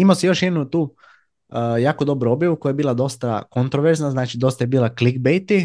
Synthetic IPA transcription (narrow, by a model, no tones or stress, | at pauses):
imaosijo̞ʃjed̪nut̪uː | jaːkod̪o̞bɾuo̞bjaʋukojajebiːlad̪o̞st̪akont̪ɾoʋeɾznaznaːt͡ʃid̪o̞st̪ajebiːlˠaklikbejt̪i